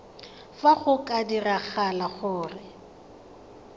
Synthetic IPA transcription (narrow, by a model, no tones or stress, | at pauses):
faχʊkʼadiraχalaɣʊːrɪ